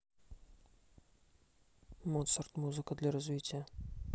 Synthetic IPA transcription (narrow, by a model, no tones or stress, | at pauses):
mot̪sərt̪muzɨkəd̪lʲaɾɐzvʲitʲɪjə